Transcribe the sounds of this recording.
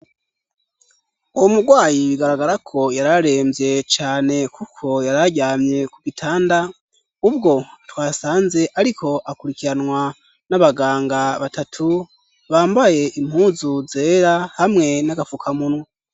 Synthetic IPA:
uwomuɡwaːjiiɡaɾaɡaɾakʰo̞jaɾaɾe̞ːmbje̞t͡ʃaːne̞kʰukʰo̞jaɾaɟaːmɲe̞kuɡitʰaːnda | ub̚ɡo̞twaːsaːnze̞ʔaɾikʰo̞ʔakuɾikiɾanwa | naβaɡaːŋɡaβatatʰu | βaːmbaje̞ʔim̥huːzuze̞ːɾahamŋe̞naɡafukʰamunwe

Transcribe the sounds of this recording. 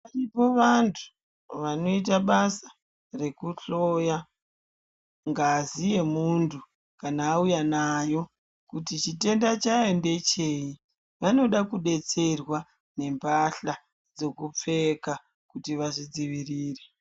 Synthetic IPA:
aripo̞ʋantʰu̥ | ʋano̞it̬aɓasḁ | re̞kuɬoja | ŋɡaːzije̞muntʰu | kanaːujanajo̞ | kutit͡ʃite̞ndat͡ʃae̞nde̞t͡ʃe̞i | ʋano̞ɗakuɗe̞t͡se̞rwa | ne̞mbaɬa | d͡zo̞kup͡fe̞ka | kutiʋaʐid͡ziʋiriːre

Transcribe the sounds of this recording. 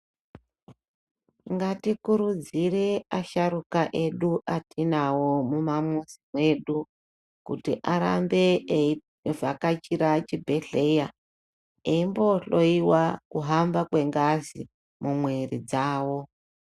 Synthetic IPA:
ŋɡatikuɾud͡zire̞aʃaɾukaʔe̞ɗuʔatinawo̞mumamuzimwe̞ːɗu | kṵtḭʔaɾa̰mbe̞ | vakat͡ʃiɾat͡ʃibʱe̞ɬe̞ja | eimbo̞ɬo̞iwakuɦambakwe̞ŋɡazḭ | mumwerḭd͡zaːwo̞

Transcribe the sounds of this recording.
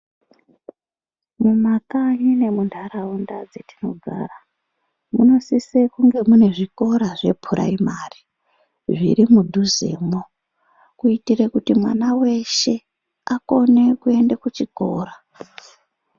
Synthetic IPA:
mumakaɲine̞mundʱaɾaundad͡zetino̞̰ɡʱa̰ːra | muno̞sisekuŋɡe̞mune̞ʐiko̞ɾaʐe̞pʰuɾʔa̰imari | ʐḭɾimudʱuze̞̰ːmo | kuitirekutimwanawe̞ʃe̞ | ako̞ne̞kue̞ndekut͡ʃiko̞ːra

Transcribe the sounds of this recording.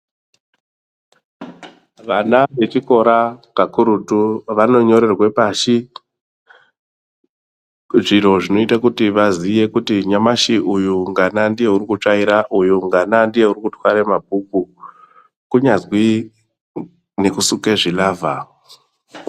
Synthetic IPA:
ʋanaʋe̞t͡ʃiko̞ɾakakuɾutuʋano̞ɲo̞ɾe̞rwe̞paʃi | ʐiro̞ʐino̞itakutiʋazije̞kutiɲamaʃiʔujuŋɡanandije̞uɾikut͡ʂaiɾaʔujuŋɡanandije̞uɾikutwaɾemabʱuku | kuɲazwi | ne̞kusukeʐilaːvʱa

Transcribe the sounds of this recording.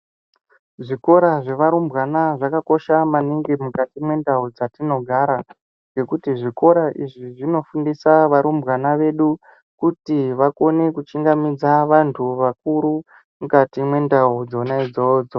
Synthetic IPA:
ʐiko̞ɾaʐe̞ʋaɾumbɣanaʐakako̞ʃamaniŋɡimukatimwe̞ndaud͡zatino̞ɡʱaɾa | ŋɡe̞kutiʐiko̞ɾaʔiʐiʐino̞fundisaʋaɾumbɣanaʋe̞ɗu | kutiʋako̞ne̞kut͡ʃiŋɡamid͡zaʋantʰuʋak̚uɾu | mukatimwe̞ndaud͡zo̞naid͡zoːd͡zo

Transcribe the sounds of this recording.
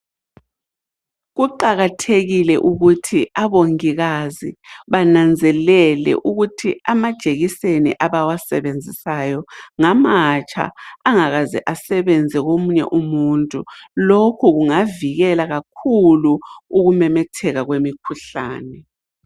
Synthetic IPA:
ɣuǃaɣatʰeɣilɛ̰ʔuɣutʰiʔaβoŋiɣaziβanand͡zʱɛlɛlɛ̰ʔuɣutʰiamad̥ʒ̥ʱeɣisenḭʔaβawasɛβend͡zʱisajɔŋamat͡ʃʼa̰ːŋaɣazɛ̰ʔasɛβɛnd͡zʱɛɣomuɲɛ̰ʔumuntʼṵlokʰuɣuŋaviɣɛlaɣak̚ʰuluuɣumɛmɛtʰɛɣaɣwemikʰuɬa̰ːnɛ

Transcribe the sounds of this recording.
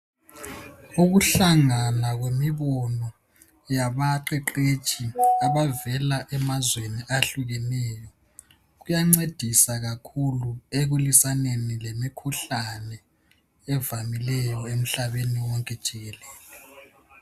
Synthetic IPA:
uɣuɬaŋanaɣwemiβɔnɔ | jaβaǃɛǃe̥t͡ʃʰʼiaβavɛlaʔɛmazweniʔaɬuɣɛnɛːjɔ | ɣujaŋ͡ǀed̥ʱisaɣakʰulueɣulisanenilemikʰuɬanɛ | ɛvamilɛjɔem̩ɬaβeniwɔŋkʼɛd̥ʒ̥ʱiɣɛlɛːlɛ

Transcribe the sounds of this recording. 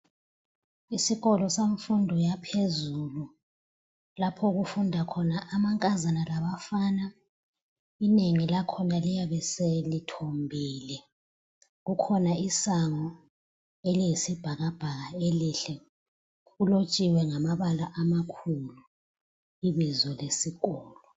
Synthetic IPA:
isiɣɔlɔseɱfundʱɔjapʰezulu | lapʰɔɣufundʱakʰɔnaʔːmaŋkʼazanalaβafaːna | ineŋilakʰɔnalijaβɛselitʰombʱiːlɛ | ɣukʰɔnaisaŋɔ | elijisib̥ʱaɣab̥ʱaɣaeliɬɛ | ɣulot͡ʃʼiwɛŋamaβalaʔamakʰulu | iβizɔlesiɣɔːlɔ

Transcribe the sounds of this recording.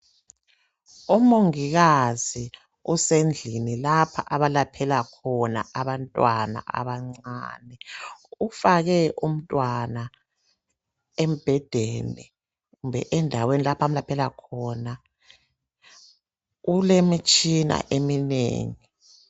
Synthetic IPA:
umoŋiɣazi | usend͡ɮʱinilapʰaʔaβalapʰɛlakʰɔna̰ʔaβantʼwana̰ʔa̰βaŋ͡ǀa̰ːnɛufaɣɛʔum̩tʼwana | em̩b̥ʱɛd̥ʱɛnɛ | umbʱɛ̰ʔɛndʱawenilapʰamlapʰɛlakʰɔna | ulemit͡ʃʼina̰ʔeminḛːŋi

